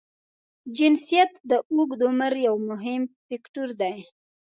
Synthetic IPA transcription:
d͡ʒɪnsijat̪d̪əʔuɡd̪ʊməɾjawmʊɦɪmpɪkʈuɾd̪aj

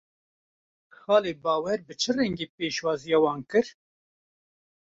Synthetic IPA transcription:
xɑːleːbɑːwɛɾbɨt͡ʃʰɨrɛŋɡeːpeːʃwɑːzijɑːwɑːnkɨɾ

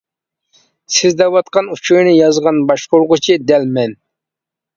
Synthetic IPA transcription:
sɪzd̪ɛwɑt̪̚qɑnut͡ʃʰunɪjɑzʁɑnbɑʃqoɾʁʊt͡ʃʰid̪ɛlmɛn

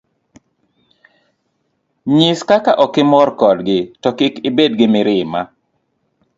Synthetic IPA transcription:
ɲɪskakaʔɔkɪmɔrkɔdɡɪtɔkɪkɪbedɡɪmɪɾɪma

